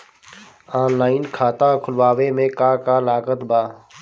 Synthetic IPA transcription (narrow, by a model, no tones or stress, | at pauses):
aːnlaːɪnkʰaːt̪ãkʰʊlʋaːʋemẽkaːkalaːkət̪baː